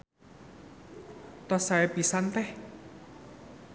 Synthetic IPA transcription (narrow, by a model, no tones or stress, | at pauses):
t̪ɔsaɛpisant̪ɛh